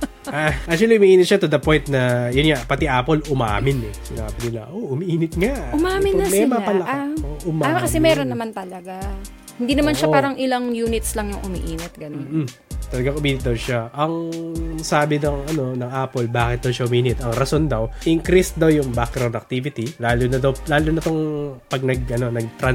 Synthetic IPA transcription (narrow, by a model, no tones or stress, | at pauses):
ʔaʔak̚t͡ʃʊwɐliʔʊmiʔiːnɪt̪̚ʃat̪ʊd̪ɐpo̞jnt̪̚nɐjʊnŋapɐt̪iʔaːpolʊma̰ːmɪnɛsɪna̰ːbɪnɪnɐ̰ʔoʔʊmiʔiːnɪt̪̚ŋaʔʊmaːmɪnːɐmɛmapɐlɐaoʔʊmaaakɐsɛmɛːɾonːɐmant̪ɐlɐɡa | hɪnd̪iːnɐmanʃaaːɾɐŋʔɪlaŋjuːnɪt̪slɐŋjʊŋʔʊmḭʔiːnɪt̪̚ɡɐnon̩ | t̪ɐlɐɡaŋʔʊmiːnɪt̪̚d̪ɐwʃaʔɐŋsaːbɪnɐŋʔɐno̞nɐŋʔaːpolbaːkɪt̪̚d̪ɐwʃɐʔʊmiːnɪt̪ɐŋɾɐso̞nd̪ɐwʔɪŋkɾist̪̚d̪ɐwjʊŋbakɾawnɐk̚t̪ivɪt̪ilaːlunɐd̪ɐwlaːlunɐt̪oŋpɐɡ̚nɐɡʔɐno̞nɐɡ̚t̪ɾɐn